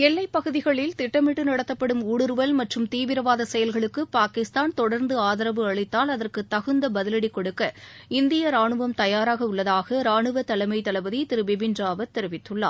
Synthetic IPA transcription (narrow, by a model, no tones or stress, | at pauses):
ɛlːɐɪpːɐɣɯðɪɣɐɭɪlt̪ɪʈːɐmɪʈːɯnɐɽɐt̪ːɐpːɐɽɯmuːɽɯɾɯʋɐlmɐʈrɯmt̪iːʋɪɾɐʋaːðɐsɛjɐlɣɐɭɯkːɯpaːkɪst̪aːnt̪ɔɽɐɾnd̪ɯaːðɐɾɐʋɯɐɭɪt̪ːaːlɐðɐrkɯt̪ːɐɣɯnd̪ɐbɐðɪlɐɽikːɔɽɯkːɐ | ɪnd̪ɪjɐɾaːɳɯʋɐmt̪ɐjaːɾaːɣɐʊɭːɐðaːɣɐɾaːɳɯʋɐt̪ɐlɐɪmɐɪt̪ːɐlɐʋɐðit̪ɪɾɯbɪbɪnraːʋɐt̪ːɛɾɯʋɪt̪ːɯɭːa̰ː